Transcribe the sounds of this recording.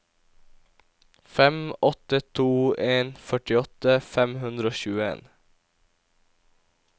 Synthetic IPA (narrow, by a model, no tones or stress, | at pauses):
fɛmɔt̪ət̪ʰuːʔeːnfœʈɪɔt̪əfɛmhʉnd̪ɾəoːçʉːəḛːn